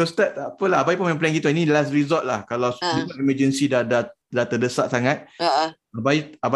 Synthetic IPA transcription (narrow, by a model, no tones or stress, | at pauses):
tɔst̪at̪apəlaɦabajpunmaɛ̃mplɛ̃ŋɡit̪uinĩlasɾizɔlt̪̚lahkalawikaniməd͡ʒənsidada | dat̪ədəsaʔsaŋãt̪̚ | abaiaba